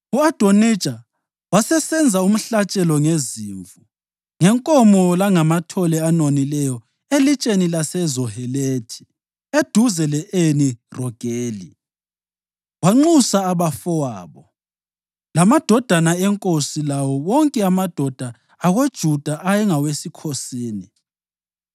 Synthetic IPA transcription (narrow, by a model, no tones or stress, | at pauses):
uad̥ʱoni̥ʒ̥ʱʼa | wasɛsɛnd͡zʱaum̩ɬat͡ʃʼɛlɔŋeziːɱvu | ŋɛŋkʼɔmɔlaŋamatʰɔlɛanonilɛjɔ | elit͡ʃʼenilasɛzɔhɛletʰi̥ | ed̥ʱuzɛlɛʔenirɔɡ̥ʱeːli | waŋ͡ǃusaːβafɔwa̰ːβɔ | lamad̥ʱɔd̥ʱanaɛŋkʼosilawɔwɔŋkʼɛamad̥ʱɔd̥ʱaː | ɣod̥ʒ̥ʱud̥ʱaʔajɛŋawesikʰosiːni